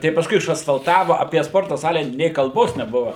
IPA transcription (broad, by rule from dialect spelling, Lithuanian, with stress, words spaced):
tɐɪ pɐsˈkʊɪ ɪʃɐsfɐlˠˈtɑːʋɐ ɐpʲiɛ ˈspoːrtɐ ˈsɑːlʲɛ nʲeː kɐlˠˈboːs nʲɛˈbʊʋɐ